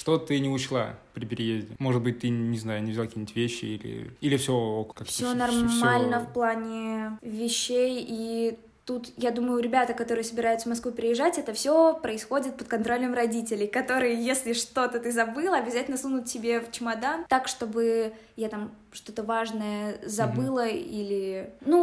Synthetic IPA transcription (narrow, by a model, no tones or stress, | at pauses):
ʂt̪ot̪ɨnʲɪʊɕlˠa̰pɾʲɪpʲɪɾʲɪjezʲdʲɪmo̞ʐɨd̪̚bɨt̚ʲt̪ɨnʲɪznajʊnʲɪvzʲalˠakʲinʲɪtʲvʲeɕːɪ̰ilʲɪ̰ilʲɪfsʲokakfsʲonɐrmalʲnəfplˠanʲɪvʲɪɕːeji | t̪ut̪jad̪uməjʊɾʲɪbʲat̪əkɐt̪o̞ɾɨjəsəbʲɪɾajʊt̪səvmɐskvupʲɪɾʲɪjɪʐːatʲɛt̪əfsʲopɾəɪsxo̞dʲɪt̪̚pət̪̚kɐnt̪ɾo̞lʲəmrɐdʲitʲɪlʲɪjkɐt̪o̞ɾɨjəjesʲlʲɪʂt̪o̞t̪ət̪ɨzɐbɨlˠəɐbʲɪzatʲɪlʲnəsunʊt̪̚tʲɪbʲeft͡ɕɪmɐd̪ant̪akʂt̪o̞bɨ | jat̪am | ʂt̪o̞t̪əvaʐnəjəzɐbɨlˠəilʲɪnu